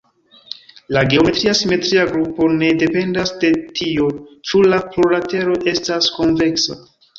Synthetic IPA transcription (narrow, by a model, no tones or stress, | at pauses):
laɡe̞o̞me̞tɾiasime̞tɾiaɡɾupo̞ne̞de̞pe̞ndasde̞tʰio̞t͡ʃulaploɾate̞ɾo̞ʔe̞stasko̞nve̞ksa̰